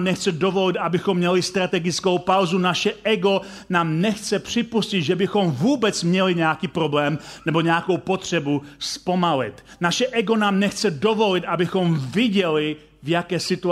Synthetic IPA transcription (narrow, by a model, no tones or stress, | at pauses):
mnɛxt͡sɛdo̞vo̞lɪt̪ʔabɪxomːɲɛlɪst̪ɾat̪ɛɡɪt͡skowpawzunaʃɛʔɛɡo̞ | naːmnɛxt͡sɛpr̥ɪpuscid̪ʒɛbɪxo̞mvuːbɛt͡smɲɛlɪɲɛakiːpɾo̞blɛːmnɛbo̞ɲɛako̞wpo̞t̪r̝̥ɛbuspo̞malɪ̰t̪naʃɛʔɛɡo̞naːmnɛxt͡sɛdo̞vo̞lɪt̪ʔabɪxo̞mvɪɟɛlɪ | vjakɛːsɪt̪u